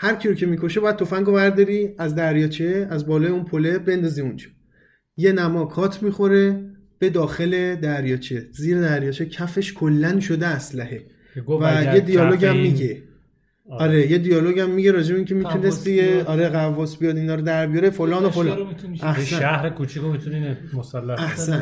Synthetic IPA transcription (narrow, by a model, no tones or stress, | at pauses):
hæɾkcʰiɾocʰe̞miːkʰo̞ʃebɒːjæd̪̚t̪ʰofæŋɡo̞væɾd̪ɒɾiæzd̪æɾjɒːt͡ʃʰeæzbɒːlɒːjeunpʰole̞be̞nd̪ɒziund͡ʒɒ̥ | je̞næmɒːkʰɒːt̪ʰmixo̞ɾe̞ | b̥e̞d̪ɒːxe̞le̞d̪æɾjɒːt͡ʃʰeziːɾed̪æɾjɒːt͡ʃʰecʰæfe̞ʃkʰolːænʃo̞d̪eæslæhe̞ | ɡvæjed̪ijɒːlo̞ɡæmmːiɟe | ɒɾe̞jed̪ijɒːloɟæmːiɟeɾɒːd͡ʒe̞be̞iŋcʲʰe̞mit̪unest̪ijeɒːɾeɣævːɒsbijɒd̪inɒːɾod̪æɾbijɒɾefolɒːnofolæhsææhɾekʰut͡ʃʰikomit̪ʰunimosælːææhsæn